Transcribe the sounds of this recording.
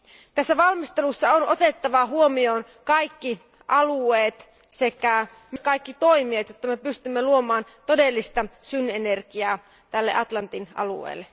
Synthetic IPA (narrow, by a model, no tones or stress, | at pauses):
t̪æsːæʋɑlmist̪elusːɑonʔot̪et̪ːɑʋɑɦuomioːn | kɑjkːi | ʔɑlueːt̪ | sekæ | mkɑikːit̪o̞imiet̪jot̪ːɑmepyst̪ymːeluomɑːnt̪odelːist̪ɑsynːenerkiɑː | t̪ælːeʔɑt̪lɑnt̪inɑ̰lṵḛːlːe